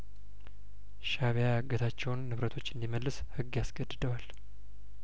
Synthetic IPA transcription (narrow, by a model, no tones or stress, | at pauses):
ʃaβjaɡət̪ʰat͡ʃːɛwnːɨβɾət̪ʰo̞t͡ʃːɨnd̪iməlːɨshɨɡːjasɡəd̪ːɨd̪əwal